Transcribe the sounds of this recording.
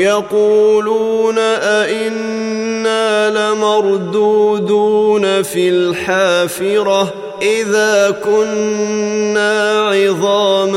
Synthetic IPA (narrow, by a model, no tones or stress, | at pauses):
jɑquːluːnaʔaʔɪnːaːlɪmɑɾˤd̪uːd̪uːnafilħaːfɪɾɑ | ʔɪðaːkʊnː | aːʕɪðˤɑːm